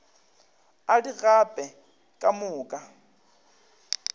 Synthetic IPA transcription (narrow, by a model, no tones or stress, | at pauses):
adiɣapʼɛ | kʼamʊːkʼa